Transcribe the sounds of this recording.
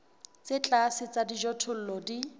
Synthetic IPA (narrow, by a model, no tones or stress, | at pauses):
t͡set͡ɬʼasɪt͡sadid͡ʒɔtʰʊl̩lɔdi